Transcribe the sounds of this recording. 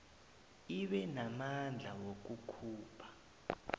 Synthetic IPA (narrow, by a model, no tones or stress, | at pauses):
iɓɛnamand͡ɮʱawok̬ukʰuːpʰḁ